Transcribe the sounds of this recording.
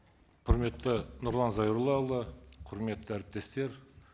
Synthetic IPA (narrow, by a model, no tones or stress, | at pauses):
qʰʊɾme̞t̪ːɪnʊɾlˠɑnzɑjuɾlˠɑlˠəqʰʊɾme̞t̪ːɪæɾɪp̚t̪e̞st̪e̞ɾ